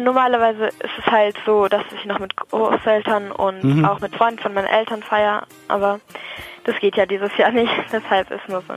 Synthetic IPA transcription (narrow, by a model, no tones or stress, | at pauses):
nɔɐmaːlɐvaɪzəʔɪ̰stɛshaltz̥oːd̥asɪçnɔχmɪtɡ̥ʁo̰ːsʔɛltʰɐnʊ̰nta̰ʊxmɪtfʁ̥ɔʏndn̩fɔnmaɪnɐ̰nʔɛltɐnfaɪɐ | ʔa̰ːbɐd̥asɡ̥eːtʰjaːdiːzəsjaːɐnɪçtv̥ɛshalpɪ̰stnuːɐzo̰ː